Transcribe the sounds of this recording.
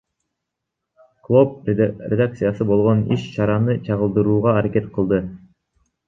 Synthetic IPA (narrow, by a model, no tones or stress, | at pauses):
klˠo̞p̚ɾʲed̪ak̚t̪sɨjasɯbo̞lˠʁo̞niʃt͡ʃʰɑɾɑnɯt͡ʃʰɑʁɯlˠd̪ɯɾuːʁɑːɾake̞t̪qʰɯlˠd̪ɯ